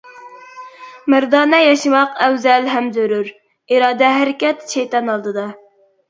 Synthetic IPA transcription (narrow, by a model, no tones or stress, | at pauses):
mæɾd̪ɑːnɛjɛʃɨmɑqɛwzɛlɦɛmzøɾyɾ | iɾɑːd̪ɛɦæɾɪkʲɛt̪t͡ʃʰɛjt̪ɑnɑlˠd̪ɨd̪ɑ